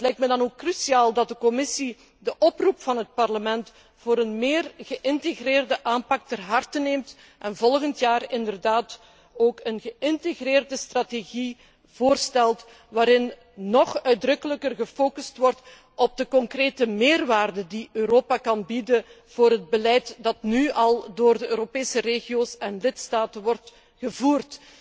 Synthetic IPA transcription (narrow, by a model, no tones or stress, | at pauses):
ətlɛjk̚tmədɑnoːkːrysiaːlˠdɑt̚dəkɔmɪsi | dəʔɔprupfɑnɦət̚pɑrləmɛnt | v̥oːɾənmeːrɣəʔɪnteɣreːrdəʔaːmpɑk̚tɛrɦɑrtəneːmt | ʔɛnvɔlˠɣəntjaːrɪndərdaːt | oːkənɣəʔɪnteɣreːrdəstrateɣi | voːrstɛlˠt | ʋaːɾɪnː | ɔχœɥdrɵkələkərɣəfoːkystʋɔrt | ɔb̚dəkɔŋkreːtəmeːrʋaːrdədiøːɾoːpakɑnbidə | v̥oːɾɦəd̚bəlɛjtdɑtnyɑlˠdoːrdəʔøːɾopeːsəreːɣioːsɛnlɪtstaːtənʋɔrt | ɣəvuːrt